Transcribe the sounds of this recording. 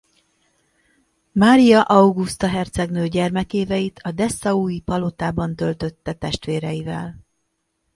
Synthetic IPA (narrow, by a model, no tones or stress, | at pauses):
maːɾijɒʔɒwɡust̪ɒɦɛrt̪sɛɡnøːɟɛrmɛkeːvɛjit̪ʰɒd̪ɛsːɒuːjipɒlot̪aːbɒnt̪ø̞lt̪ø̞t̪ːɛt̪ɛʃt̪ʋeːɾɛjivɛ̰l